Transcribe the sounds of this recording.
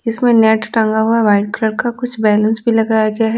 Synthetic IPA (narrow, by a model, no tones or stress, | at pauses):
ɪsmẽnɛːʈʈɐ̃ŋɡaɦuaʋaːɪɖkɾəɽkakʊt͡ʃʰbɛːlə̃nsbʱilɐɡaːjaɡɐjaɦɛ